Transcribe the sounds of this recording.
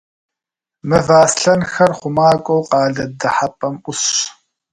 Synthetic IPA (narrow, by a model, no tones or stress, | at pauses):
mɨvaːsɬɐnxɐrχʷʊmaːkʷʼɔwqʼɑːɮɐdɐħapʼɐmʔʷʊɕ